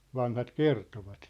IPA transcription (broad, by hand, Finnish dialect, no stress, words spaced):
ʋɑnhɑt kertoʋɑt